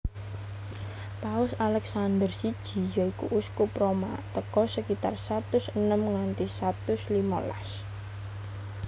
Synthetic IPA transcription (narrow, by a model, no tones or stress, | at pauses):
paʊsalɛksand̪ərsid̥ʒ̥i̤jɔikuʔuskupɾoma̰t̪əkɔsəkit̪a̰rsat̪ʊsənəmŋant̪isat̪ʊslima̰la̰s